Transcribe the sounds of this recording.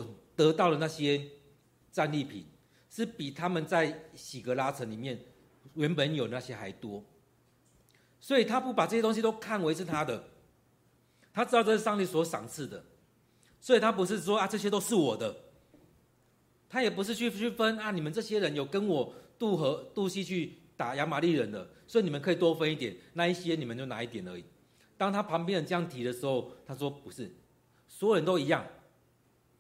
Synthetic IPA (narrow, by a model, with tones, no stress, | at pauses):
t̪ɤ˨˦t̪ɑ˥˩ʊlə˩na˥˩ɕjɛ˦ | t͡sa˥˧nli˥˨pʰḭ˨˩n | ʂɻ̩˥˩pi˨˩t̪ʰa˦mə˨nt͡sa˥˩ɪɕi˨˩ɡə˦la˦˥t͡sʰə˧˦ŋli˨˩mjɛ˥˩n | ɥɛ˧˦npə˨˦njo˨˩ʊna˥˩ɕjɛ˦xa˧˥ɪt̪wɔ˥ | swɔ˧˥i˨˩t̪ʰa˦pu˥˩pa˨˩t͡sɤ˥˩ɕjɛ˥t̪o˥ŋɕi˧t̪o˥ʊkʰa˥˩nwe˧˥ɪt͡sʰɻ̩˥˧t̪ʰa˥d̪ə˨ | t̪ʰa˥t͡sɨ˥ɑ˥˧ʊʈ͡ʂə˧˥ʂ̩˥˩ʂɑ˥˧ŋt̪i˥˩swɔ˧˥ʂɑ̰˨˩ŋt͡s̩ʰ˥˩d̪ə̰˩ | swɔ˧˥i˨˩t̪ʰa˥p̬u˧˦ʂ̬ɻ̩˥˩ʂ̬wɔ˥a˥˧t͡sɤ˥˧ɕ̬jɛ˥t̪o˥ʊʂɻ̩˥˩wɔ˨˩d̪ə˦ | t̪ʰa˥jɛ˨˩pu˧˦ʂ̬ɻ̩˥˧t͡ɕʰy˥˩t͡ɕʰy˥˩fə˦na˥˩ni˨˩mə˨˦nʈ͡ʂɤ˥˩ɕjɛ˥ɻə˨˦njo˨˩ʊkə˦nwɔ˨˩t̪u˥˨xɤ˨˧˥t̪u˥˧ɕi˥t͡ɕʰy˥˩t̪a˨˩ja˧˥ma˨˦li˥˩˨ɻə˧˦nd̪ə˧˨swɔ˧˥i˨ni˨˩mə˦nkʰɤ˧˥i˨˩t̪wɔ˦˥fə˦ni˥˩t̪jɛ˨˩nna˥˧i˥˩ɕjɛ˦ni˨˩mə˨˦t͡ɕo˥˩ʊna̰˧˦i˥˩t̪jɛ˨˩nə̰˧˦i˨˩ | t̪ɑ˥ŋt̪ʰa˥pʰɑ˧˦ŋp̬jɛ˥˩nə˨˩ʈ͡ʂɤ˥˧jɑ˥˩ŋt̪ʰi˧˥d̪ə˨ʂɻ̩˧˦xo˥˧ʊt̪ʰa˥ʂwɔ˥pu˨˧ʂɻ̩˥˩ | swɔ˧˥jo˨ɻə˧˦nt̪o˥ʊi˧˥jɑ˥˩ŋ